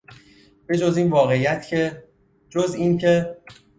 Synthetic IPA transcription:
b̥e̞d͡ʒɒziːnvɒːɣe̞jæt̪ʰcʰe | d͡ʒoziːncʰe

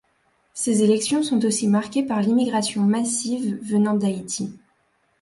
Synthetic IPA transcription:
sezelɛksjɔ̃sɔ̃t̪osimaʁkʲepaʁlimiɡʁasjɔ̃masivːənɑ̃d̪ait̪ʰi

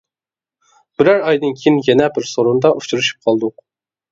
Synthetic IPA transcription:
b̥ɪɾæɾɑjd̪ɨnkʲʰejinjɛnɛbɪɾsoɾund̪ɑʔut͡ʃʰuɾuʃy̥p̚qʰɑlˠd̪ʊq

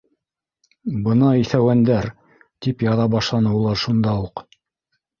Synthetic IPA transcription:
bɤnɑiθæwænd̪æɾ | t̪ipjɑðɑbɑʃlˠɑnɤulˠɑɾʃund̪ɑuq

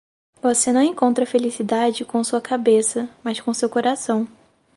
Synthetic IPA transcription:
vosenɐ̃w̃ẽkõnt̪ɾɐfelisid̪ad͡ʒɪkõsuɐkabesɐmɐskõsewkoɾasɐ̃w̃

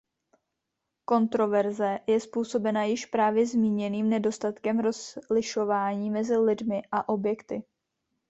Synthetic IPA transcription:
ko̞nt̪ɾo̞vɛɾzɛjɛspuːso̞bɛnajɪʃpɾaːvjɛzmiːɲɛniːmnɛdo̞st̪at̪kɛmɾo̞zlɪʃo̞vaːɲiːmɛzɪlɪdmɪʔaʔo̞bjɛkt̪ɪ

